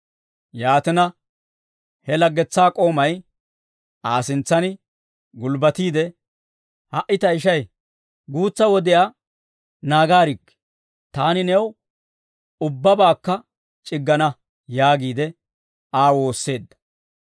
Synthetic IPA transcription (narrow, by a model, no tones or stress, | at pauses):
jaːt̪ɪnɐ | hɛlɐɡːɛt͡sːaːkʼo̞ːmɐj | aːsɪnt͡sːɐnɪ | ɡʊlbɐt̪iːd̪ɛ | hɐʔɪt̪ɐɪʃɐj | ɡuːt͡sːɐwɔd̪ɪjaː | naːɡaːɾɪkː | t̪aːnɪnɛw | ʊbːɐbaːkːɐ | t͡ʃʼɪɡːɐnɐ | jaːɡiːd̪ɛ | aːwo̞ːsːe̞ːd̪ːɐ̥